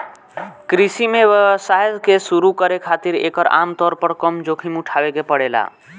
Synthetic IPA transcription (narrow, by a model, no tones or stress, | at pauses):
kɾisimeʋəsaɦed͡ʒkesuɾukəɾekʰat̪iɾḛkəɾa̰mt̪ɔːɾpəɾkɔmd͡ʒokʰimuʈʰaʋekepəɽela̰